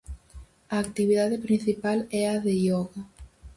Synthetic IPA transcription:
ɐːk̚t̪iβiðaðepɾinθipalɛɐðeʎɔɣa

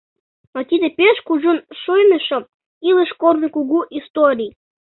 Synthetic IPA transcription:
ɑt̪ʲid̪epʲeʃkuʒonʃojnəʃŏ | iləʃkormʲikuɡuʔist̪oɾʲij

